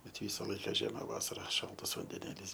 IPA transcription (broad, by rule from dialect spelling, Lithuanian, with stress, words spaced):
bʲɛt ˈʋʲiːsɐ ˈlˠɐɪkɐ ˈʒʲiɛmɐ ˈʋɑːsɐrɐ ˈʃɐlˠtɐs ʋɐnʲdʲɛˈnʲeːlʲiːs